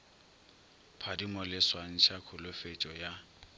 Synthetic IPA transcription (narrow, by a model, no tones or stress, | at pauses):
pʰadimɔlɪswan̩ʃʰakʰʊlʊfet͡ʃʼɔja